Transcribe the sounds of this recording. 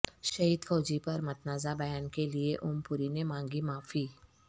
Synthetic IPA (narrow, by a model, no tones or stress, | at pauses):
ʃɐɦiːd̪fɔːd͡ʒipɐɾmɐt̪naːzabɐjaːnkelieʔʊmpʊɾinemãːŋɡimaːfiː